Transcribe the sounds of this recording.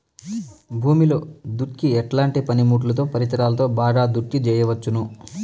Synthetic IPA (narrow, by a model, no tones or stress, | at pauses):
bʱuːmilo̞ːd̪uʈkiɛʈlaːɳʈipɐnimuːʈ̬lɐt̪o̞ːpɐɾit̪ɾaːlɐt̪o̞ːbaːɡaːd̪uʈkid͡ʒɛːjɐʋɐt͡ʃːunu